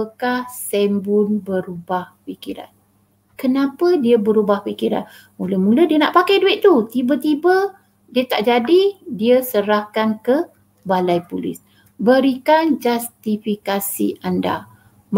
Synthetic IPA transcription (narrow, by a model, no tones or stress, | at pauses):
əkahsɛmbʊnbəɾubahpikiɾa̰n | kənapədiəbəɾubahpikiɾa̰n | muləhmulədiənaʔpakajduɪʔ̚t̪ut̪ibət̪ibə | diət̪aʔd͡ʒadidiəsəɾahkankə | balajpulɪ̰s | bəɾikand͡ʒast̪ifikasḭʔanda̰ | m